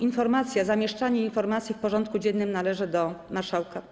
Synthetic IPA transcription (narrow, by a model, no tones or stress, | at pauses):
infɔɾmat̪sʲjazamʲjɛʂt͡ʂaɲɛinfɔɾmat̪sʲjifpɔʐɔnt̪̚kud͡ʑɛnːɘmnalɛʐɘd̪ɔmaɾʂawka